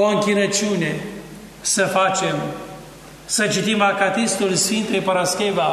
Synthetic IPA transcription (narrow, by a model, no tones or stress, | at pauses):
oəŋkʲiɾət͡ʃunʲe | səfat͡ʃem | sət͡ʃit̪imakat̪ist̪ulsfint̪ejpəɾaskʲeba